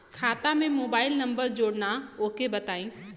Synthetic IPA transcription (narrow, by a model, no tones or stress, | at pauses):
kʰaːt̪amẽmoːbaːɪlnɐ̃mbəɾd͡ʑoːɽnaoːkebɐt̪aːĩ